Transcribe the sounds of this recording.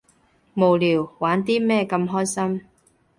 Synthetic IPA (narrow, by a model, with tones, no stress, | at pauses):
mo˨˩wliː˨˩wwaː˨˥nt̪iː˥mɛː˥˧kɐ˧mɦɔː˥jsɐ˥m